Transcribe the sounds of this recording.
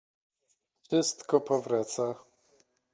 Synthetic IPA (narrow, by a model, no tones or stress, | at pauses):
ʂɘst̪kɔpɔvɾat̪sa